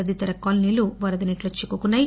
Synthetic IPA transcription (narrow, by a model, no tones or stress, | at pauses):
ɐd̪it̪ɐɾɐkːɐlniluʋɐɾɐd̪ɐniʈlot͡ʃːikːukunːaji